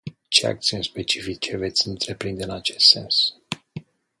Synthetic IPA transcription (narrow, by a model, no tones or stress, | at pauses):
t͡ʃe̞̰a̰k̚t̪siunʲspe̞t͡ʃifit͡ʃe̞ve̞t̪sʲɨnt̪ɾe̞pɾind̪e̞ɨnat͡ʃe̞st̪se̞̰ns